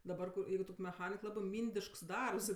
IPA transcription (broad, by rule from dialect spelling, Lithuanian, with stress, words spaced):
dɐˈbɐr kʊr ˈjɛɪɡʊ toːkʲ mʲɛˈxɑːnʲɪk ˈlˠɑːbɜ ˈmʲiːnʲdʲɪʃks ˈdɐrps